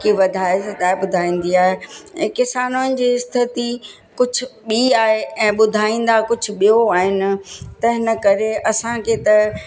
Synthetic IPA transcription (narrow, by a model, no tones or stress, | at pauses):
kiʋɐd̪ʱaːesɐd͡ʑaːɓʊd̪ʱaːĩːn̆d̪iaːɦeɛ̃ːkɪsaːnonɪ̆d͡ʑiːɪst̪ʰɪt̪i | kʊd͡ʑʱʊ̆ɓiaːɦeɛ̃ːɓʊd̪ʱaːĩːn̆d̪akʊd͡ʑʱʊ̆ɓijoaːɦɪnɪ̆t̪ɐɦɪnəkɐɾeɐsãkʰeːt̪ɐ